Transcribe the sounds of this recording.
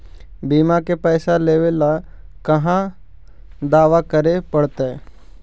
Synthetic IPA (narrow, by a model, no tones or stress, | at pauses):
biːmakepɛːsaleːʋela | kɐɦã | d̪aːʋakəɾepəɽt̪e